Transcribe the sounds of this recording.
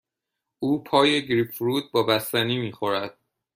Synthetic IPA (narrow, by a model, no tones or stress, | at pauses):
ʔuːpʰɒːje̞ɟɾipɾuːd̪̚bɒːbæst̪æniːmiːxo̞ɾæd̪̥̚